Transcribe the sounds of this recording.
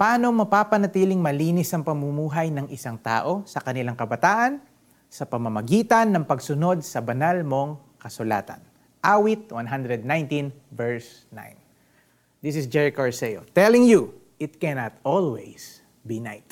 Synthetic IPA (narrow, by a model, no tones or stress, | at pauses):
pɐʔaːno̞mɐpaːpɐnɐt̪iːlɪŋmɐliːnɪsɐŋpɐmumuːɦɐjnɐŋʔɪsaŋt̪a̰ːʔo̞sɐkɐnɪlaŋkɐbɐt̪aːʔɐn | sɐpɐmɐmɐɡiːt̪ɐnːɐŋpɐɡsʊno̞d̪̚sɐbɐnalmo̞ŋ | kɐsʊla̰ːt̪ɐ̰n | ʔawit̪̚wanɦand̪ɾɛd̪̚najnt̪ĩnvɛɹs | na̰jn | d̪isɪsd͡ʒɛɹɪkoɹsɛjo̰t̪ɛlɪŋju | ʔɪt̪̚kɛnɐt̪olwɛ̰js | bina̰jt̪